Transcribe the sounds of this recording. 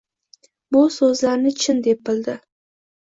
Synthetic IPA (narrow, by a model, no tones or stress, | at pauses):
bʊsɵzlaɾnɪt͡ʃʰɪnd̪e̞pɪld̪ɪ